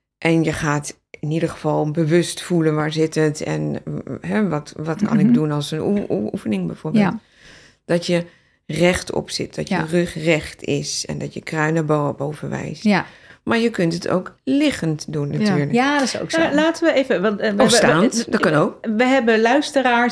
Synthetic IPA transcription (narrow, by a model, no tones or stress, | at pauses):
ʔɛnjəχaːt | ʔɪnidəɣəv̥ɑlˠbəʋɵstfulənʋaːɹzɪtətɛ̰nɦɛʋɑtʋɑtkɑ̰nɪɡ̚dunɑlˠsənuufənɪŋbɛjv̥oːɹbeːlˠt | d̥ɔtjə | rɛχtɔ̰psɪ̰t̚d̥ɔtjərøχrɛxtɪ̰sɛ̰ndɔtjəkrœɥnəboɔpowvənʋɛ̰jstmaːɹjəkɵntətʰo̰wklɪχəntdunːatyːɹləaskːlaːtəʋəevəʋɑostaːntdɔkɑnowk̚ʋəɦɛbəlœɥstəɾaː